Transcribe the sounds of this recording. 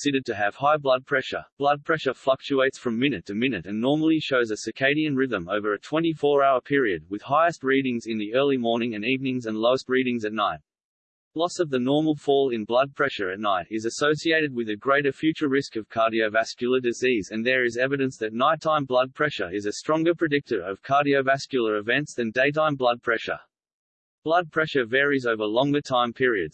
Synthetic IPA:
sɪɾə˞d̚tʰɨːv̥haɪblʌd̚pʰɹ̥ɛʃə̰˞b̥lʌd̚pʰɹ̥ɛʃə˞flʌk̚t͡ʃʉeɪtsfɹʌ̃mɪ̃nɨtʰɨmɪ̃nɨɾɨ̃nːɔɹml̩ˠiʃoʊzɨsɨkʰeɪɾiɨ̃nɹɪðɨ̃moʊvə˞ɨtʰw̥ɛ̃ñifɔɹaʊə˞pʰɪɹiɨd̚wɨð̥haɪɨst̚ɹiɾɪ̃ŋzɨ̃nðiɜ˞lˠimɔɹnɪ̃ŋɨ̃nivnɪ̃ŋzɨ̃nloʊəst̚ɹiɾɪ̃ŋzɨtⁿnaɪt̚ | lɔsʌvðɨnɔɹml̩ˠfɔlˠɪ̃nblʌd̚pʰɹ̥ɛʃə˞ɨtⁿnaɪɾɪzɨsoʊsieɪɾɨd̚wɨðɨɡɹeɪɾə˞fjʉt͡ʃə˞ɹɪskʌv̥kʰɑɹɾioʊvæskjl̩ˠə˞dɨzizɨ̃nðə˞ɨzɛvɨɾɨ̃nsðɨtⁿnaɪtʰãɪ̃mblʌd̚pʰɹ̥ɛʃə̰˞ɪzɨstɹ̥ɔ̃ŋɡə˞pʰɹ̥ɨdɪk̚tə˞ʌv̥kʰɑɹɾioʊvæskjl̩ˠə˞ɨvɛ̃ntsðɨ̃ndeɪtãɪ̃mblʌd̚pʰɹ̥ɛʃə̰˞ | b̥lʌd̚pʰɹ̥ɛʃə˞vɛɹizoʊvə˞lɔ̃ŋɡə˞tʰãɪ̃mpʰɪɹiɨdz̥

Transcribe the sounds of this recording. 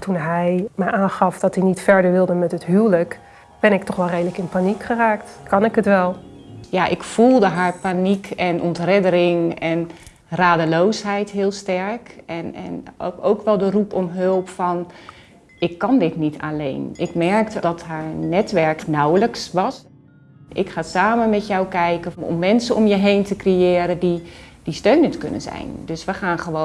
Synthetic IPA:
tʰunɦɛjməjʔaːnχɑfd̥ɔtinitfɛɹdəɹʋɪlˠdəmɛtətɦyːlək | b̥ɛnɪktɔχʋɛlˠrejdələkɪnpanikχəraːktkʰɑnɪkətʋɛlˠjaʔɪkfulˠdəɦaɹpanikʰɛnʔɔntrɪdəɾɪŋɛn | raːdəloːsɦɛjtɦɪəlˠstɛɹkɛnɛ̰nowkʋɛlˠdərupɔmɦølˠpfɑn | ʔɪkːɑndɪtnitʰa̰lḛjnʔɪkmɛɹktdɔtɦaːɹnɛtʋɛɹknawləksʋɑs | ʔɪkχaːsaːmənmɛtjɔwkɛjkəɔ̰mːɛnsəɔmjəɦejntəkrejɪːɾədid̥istøɥnəntkɵ̰nə̰nzɛ̰jndøsʋəχaːnχəʋo

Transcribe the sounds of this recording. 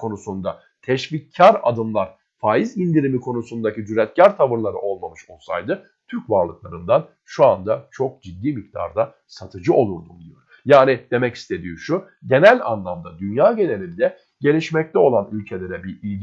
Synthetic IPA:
kʰo̞nusund̪a | t̪ʰɛʃvicʰːaɾa̰d̪ɯmlˠaɾ̥ | faːizind̪iɾimikʰo̞nusund̪acid͡ʒyɾɛt̪̚cæɾt̪ʰavɯɾlˠaɾɯʔo̞lˠmamɯʃo̞lˠsa̰jd̪ɯ | t̪ʰyɾcvaɾlˠɯklˠaɾɯnd̪an | ʃuand̪at͡ʃʰo̞k̚d͡ʒid̪ːiːmik̚t̪ʰa̰ɾd̪a | sat̪ʰɯd͡ʒɯo̞lˠuɾd̪umd̪ijo̞̰ɾ | jaːnid̪̥e̞mɛci̥st̪ʰe̞d̪ijoʃu | ɟe̞nælʲa̰nlˠamd̪ad̪ynjaːɟe̞ne̞lʲind̪ɛ | ɟe̞lʲiʃmɛc̚t̪ɛo̞lˠanylʲcʰe̞lʲe̞ɾɛbiɾilʲ

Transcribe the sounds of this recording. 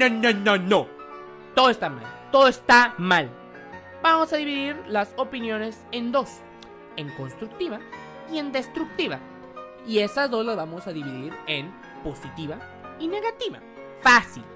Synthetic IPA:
nononono | t̪o̞ðoest̪ama̰lt̪o̞ðoest̪amal | b̥amo̞saðiβiðiɾlaso̞pinjo̞ne̞se̞nd̪o̞s | e̞ŋko̞nst̪ɾuk̚t̪iβa | ie̞nd̪e̞st̪ɾuk̚t̪iβa | ie̞sazðo̞zlazβamo̞saðiβiðiɾen | po̞sit̪iβa | ine̞ɣat̪iβa̰ | fasil

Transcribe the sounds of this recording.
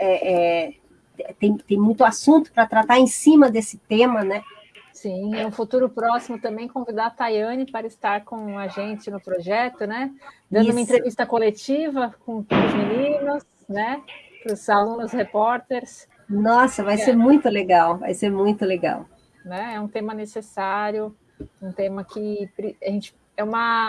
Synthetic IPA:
ɛʔɛ | ɛt̪ẽj̃t̪ẽj̃mũj̃t̪ʊasũnt̪ʊ̥pɾɐt̪ɾat̪aɾẽsĩmɐd̪esɪt̪ẽmɐnɛ | sĩɛũfut̪uɾʊpɾɔsimʊt̪ɐ̃mbẽj̃kõvid̪aɾt̪ajɐ̃nɪpaɾɐɪst̪aɾkõaʒẽnt͡ʃɪnʊpɾoʒɛt̪ʊnɛd̪ɐ̃nd̪ʊũmɐẽnt̪ɾevist̪ɐkolet͡ʃivɐkõʊzminĩnʊs | nɛ | pɾʊsalũnʊshepɔɾt̪eɾs | nɔsɐvajseɾmũj̃t̪ʊleɡawva̰jseɾmũj̃t̪ʊleɡa̰w | nɛɛũt̪ẽmɐnesesaɾjʊ | ũt̪ẽmɐkʰɪpɾiaʒẽnt͡ʃɪ̥ | ɛũmɐ

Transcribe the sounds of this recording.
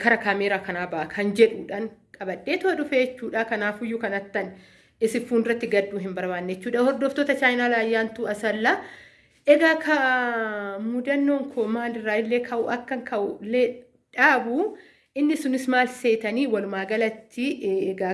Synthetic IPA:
kɐɾɐkaːmeːɾaːkɐnaːbɐʔɐkʰɐnd͡ʒɛᶑuːᶑaːŋkʼɐbɐᶑeːt̪ʊɐᶑʊfe̞ːt͡ʃːuːᶑɐkɐnaːfʊjːʊkɐnɐt̪ːɐn | ɪsɪfuːnɪrːɐt̪ːɪɡɐd̪ːuːɦɪmbɐɾbaːnːet͡ʃːuːᶑɐhɔɾd̪ɔft̪oːt̪ɐt͡ʃaːjɪnaːlaːjːaːnt̪uːɐsɐlːa | ʔɛɡaːkɐ | muːd̪ɐnːo̞ːŋkʰoːmaːnɪrːaːɪlːe̞ːkʰɐʔʊʔɐkːɐŋkʰɐʔʊlːeː | ᶑaːbʊ | ɪnːɪsʊnɪsmaːlse̞ːt̪ɐniːwɐlʊmaːɡɐlɐt̪ːɪɡaː

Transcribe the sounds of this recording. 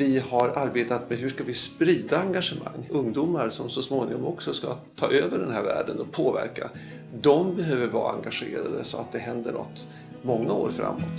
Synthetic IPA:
vɪhaɾaɾbeːt̪at̪mɛɦɵʂkavɪspɾiːd̪aːŋɡaʂəma̰ŋːɵŋd̪uːmaɾsɔmsɔsmoːnɪŋɔmɔksɔskat̪ʰɑːʔøːvəɖɛnɦæːɾvæ̰ːɖənɔpʰoːvæ̰ɾka | d̪ɔmbɛɦøːvəɾvɑ̰ːaŋɡaɧḛːɾad̪əsɔat̪̚d̪ɛɦɛnd̪əɳɔ̰t̪ː | mɔŋːao̰ːɾfɾa̰mːɔt̪

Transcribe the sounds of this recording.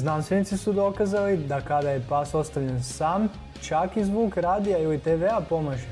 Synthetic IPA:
znanst̪ʋenit̪sisud̪o̞kaːzalid̪akad̪aje̞paso̞st̪aʋʎe̞nsaːm | t͡ʃakizʋoɡɾaːd̪ijailit̪eʋeapo̞maʒe

